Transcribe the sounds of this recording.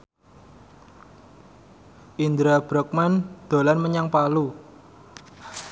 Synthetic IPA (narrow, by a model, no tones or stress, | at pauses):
ʔind̪ɾab̥ɾɔk̚mand̪̥o̤lanməɲaŋpalu